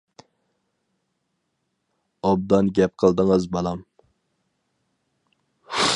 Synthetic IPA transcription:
ɑb̚d̪ɑnɡʲɛp̚qʰəlˠd̪əŋəzbɑlˠɑm

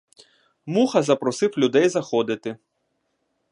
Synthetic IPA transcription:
muxɐzɐpɾɔsɪwlʲʊd̪ɛjzɐxɔd̪ɪt̪ɪ

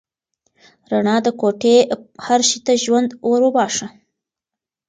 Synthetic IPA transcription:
ɾaɳɑd̪əkoʈehaɾʃit̪aʒwand̪waɾobɑʂa

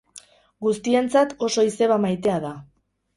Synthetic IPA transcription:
ɡust̪ie̞nt͡sat̪o̞so̞ise̞βamajt̪e̞aða

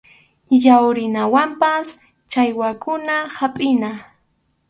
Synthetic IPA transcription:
jawɾɪnawampas | t͡ʃajwakʊnahapʼɪna

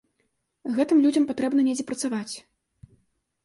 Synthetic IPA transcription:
ɣɛt̪ɨmlʲud͡zʲɐmpat̪ɾɛbnɐnʲɛd͡zʲɛpɾɐt̪savat͡sʲ

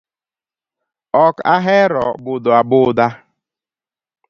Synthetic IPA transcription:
ɔkaɦɛɾɔbʊdɔabʊda

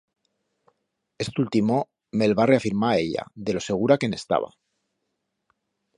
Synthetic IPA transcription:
e̞st̪ult̪imo | me̞lβareafiɾmae̞ʎa̰ðe̞lo̞se̞ɣ̞uɾake̞ne̞st̪a̰β̞a̰

